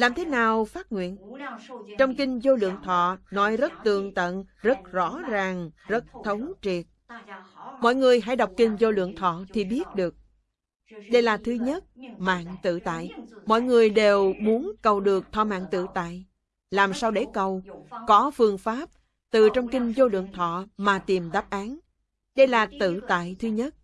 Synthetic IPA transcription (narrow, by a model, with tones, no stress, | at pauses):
laː˨˩mt̪ʰe˨˦naː˨˩wfaː˦˥t̚ŋwḭ˧˨ən | t͡ɕɔ˧wŋ͡mkï˧ŋ̟zo˧lɨ̰˧˨əŋt̪ʰɔ̰˧˨nɔ˨˦jzə˦˥t̚t̪ɨ˨˩əŋt̪ə̰˧˨nzə˦˥t̚zɔ̰˧˥zaː˨˩ŋzə˦˥t̚t̪ʰə˨˦wŋ͡mt͡ɕi˨˩ət̚ | mɔ̰˧˨jŋɨ˨˩əjɦa̰˧˥jɗa˨˩wk͡p̚kï˧ŋ̟zo˧lɨ̰˧˨əŋt̪ʰɔ̰˧˨t̪ʰi˨˩ɓi˦˥ət̚ɗɨ˨˩ək̚ | ɗə˧jlaː˨˩t̪ʰɨ˨˦ɲə˦˥t̚ma̰ː˧˨ŋt̪ɨ̰˧˨t̪a̰ː˧˨jmɔ̰˧˨jŋɨ˨˩əjɗe˨˩wmu˨˦ənkə˨˩wɗɨ˨˩ək̚t̪ʰɔ̰˧˨˩ma̰ː˧˨ŋt̪ɨ̰˧˨t̪a̰ː˧˨j | laː˨˩msaː˧wɗe˧˩kə˨˩wkɔ˨˦fɨ˧˩əŋfaː˦˥p̚ | t̪ɨ˨˩t͡ɕɔ˧wŋ͡mkï˧ŋ̟zo˧lɨ̰˧˨əŋt̪ʰɔ̰˧˨maː˨˩t̪i˨˩mɗaː˦˥p̚ʔaː˨˦n | ɗə˧jlaː˨˩t̪ɨ̰˧˨t̪a̰ː˧˨jt̪ʰɨ˨˦ɲə˦˥t̚